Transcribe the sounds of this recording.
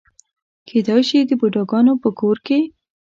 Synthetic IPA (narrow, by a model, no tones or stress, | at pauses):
kʰed̪ɑjʃid̪əboɖɑɡɑnopəkoɾke